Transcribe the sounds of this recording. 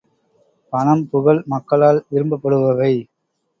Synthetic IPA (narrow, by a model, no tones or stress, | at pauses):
pɐnɐmpʊɣɐɭmɐkːɐɭaːlʋɪɾɯmbɐpːɐɽɯʋɐʋɐɪ